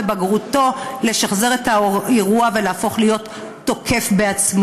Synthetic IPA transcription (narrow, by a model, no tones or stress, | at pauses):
ebaɡʁuto̞le̞ʃaχze̞ʁetaeʁuaveleafo̞χlijo̞tː | o̞kʰe̞fbeat͡sm